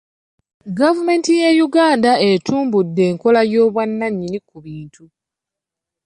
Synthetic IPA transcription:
ɡavume̞ːntije̞juɡaːndae̞tuːmbudːe̞ːŋko̞lajo̞ːβwanːaɲːinikuβiːntʰu

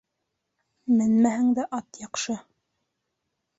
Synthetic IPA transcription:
mɘnmæhɘŋd̪æʔɑt̪jɑqʃɤ

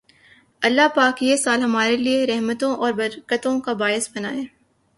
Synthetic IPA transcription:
ɐlːapaːkjesaːlɦɐmaːɾelieɾɛɦmət̪õʔɔːɾbɐɾkət̪õkabaːjɪsbɐna̰ːeː

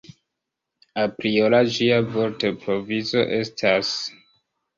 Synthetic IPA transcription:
apɾio̞lad͡ʒiavo̞ɾtepɾo̞vizo̞̰ʔe̞stʰas

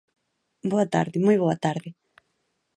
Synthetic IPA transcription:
boɐt̪a̰ɾðɪmojβoɐt̪aɾðɪ

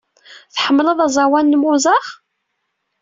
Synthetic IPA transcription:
θħəmːləðˤɑzˤɑwænːmʊzˤɑχ

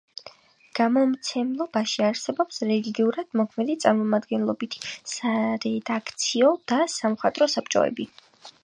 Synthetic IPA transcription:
ɡ̥amɔmt̪sʰɛmlˠɔbaʃiaɾsɛbɔpsɾɛliɡiuɾad̪̥mɔkʰmɛd̪it̪sʼaɾmɔmad̪ɡɛnlˠɔbit̪ʰsaɾɛd̪akʰt̪sʰiɔd̪̥asamχat̪ʼɾɔsap̚ʰt͡ʃʼɔ̰ɛ̰bi

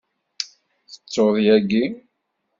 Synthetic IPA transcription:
θə̥t͡sːoðˤjæɡi

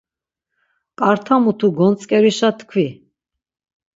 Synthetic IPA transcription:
kʼaɾt̪ʰamut̪ʰuɡɔnt͡sʼkʼɛɾiʃat̪ʰkʰvi

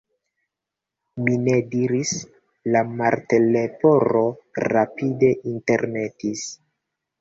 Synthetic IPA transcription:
mine̞diɾis | lamaɾte̞lepo̞ɾo̞ɾapide̞ʔinte̞ɾne̞tis

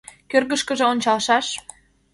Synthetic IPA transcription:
kørɣə̆ʃkə̆ʒĕonʲt͡ɕɑlʃɑʃ

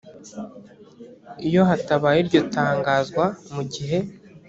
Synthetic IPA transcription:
ijo̞ɦataβaːjiɾɟo̞taːŋɡaːzɡwamuɟiɦe̞

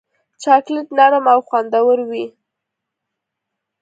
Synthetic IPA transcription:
t͡ʃɑklɪt̪naɾmawxwand̪awəɾwi

